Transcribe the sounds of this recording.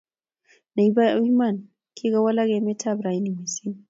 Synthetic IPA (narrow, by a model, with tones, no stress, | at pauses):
na˨ibai˦ma˦˨n | kʰi˦ɣa˦wa˦la˦ɣɛmɛ˦tʰabɾa˨i˦ni˨mi˨si˦n